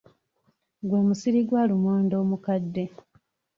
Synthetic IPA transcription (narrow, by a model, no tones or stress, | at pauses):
ɡwoːmusiɾiɡwaːlumoːndo̞ːmukadːe̞